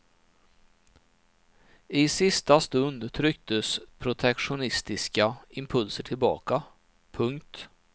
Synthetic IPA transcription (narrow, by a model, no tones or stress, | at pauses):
ɪsɪst̪ast̪ɵnd̪t̪ʰɾʏk̚t̪əspʰɾʊt̪ʰɛkʂʊnɪst̪ɪskaɪmpʰɵlsəʈʰɪlbɑ̰ːka | pʰɵŋkt̪